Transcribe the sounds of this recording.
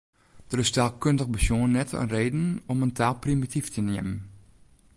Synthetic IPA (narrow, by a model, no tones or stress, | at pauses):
d̥ərɪstalˠkøndəxbəsjuənnɛtʰə̰nreːdn̩ɔməntʰaːlˠprimitiftəniəmən